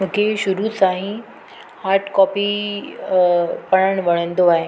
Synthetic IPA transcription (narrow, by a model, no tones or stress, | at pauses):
mũːkʰeʃʊɾusãːɦĩ | haːɾʈʰkɔːpi | pɐɽ̃əɽ̃ʋɐɽ̤̃ə̃nd̪oaːɦe